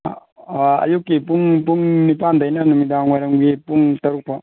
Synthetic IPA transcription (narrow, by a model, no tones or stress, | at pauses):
aa̰jukːipuŋpuŋnipand̪ajnanumidaŋweɾaŋɡepuŋtɐɾuk̚pa